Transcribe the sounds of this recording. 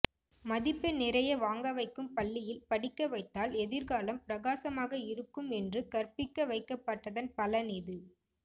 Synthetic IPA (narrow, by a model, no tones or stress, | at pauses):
mɐðɪpːɐnɪrɐjɐʋaːŋɡɐʋɐɪkːɯmpɐɭːɪjɪlpɐɽɪkːɐʋɐɪt̪ːaːlɛðɪɾɣaːlɐmpɪɾɐɣaːsɐmaːɣɐɪɾɯkːɯmɛndrɯkɐrpɪkːɐʋɐɪkːɐpːɐʈːɐðɐnpɐlɐnɪðɯ